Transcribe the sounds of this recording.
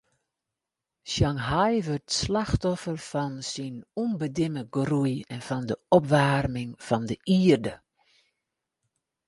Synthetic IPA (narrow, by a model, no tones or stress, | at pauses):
ʃjaŋɦajʋørtslaxtɔfərfɔnsinunbədɪməɡrujɛnfɔndəɔpʋaːrmɪŋfɔndəʔiːərdə